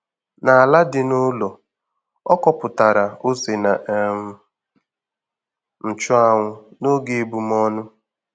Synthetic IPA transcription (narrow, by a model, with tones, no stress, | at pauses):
na˨a˨la˦dɪ˨nʊ˦lɔ˨ | ɔ˦kɔ˦pʊ˨ta˨ɾa˨o˦se˨na˨ | n̩˨t͡ʃʊ˦a˦˨ŋʷʊ˦no˦ɡe˨e˨bu˨mɔ˦nʊ˦